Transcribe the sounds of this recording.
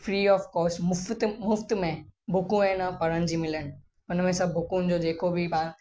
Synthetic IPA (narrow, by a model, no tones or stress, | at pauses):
fɾiːɔːfkɔːsʊft̪mʊft̪mẽbʱʊkũɛ̃ːnapɐɾə̃nd͡ʑimɪləñ̆ | ʊnmẽsɐbʱʊkũnd͡ʑod͡ʒeːkobʱibã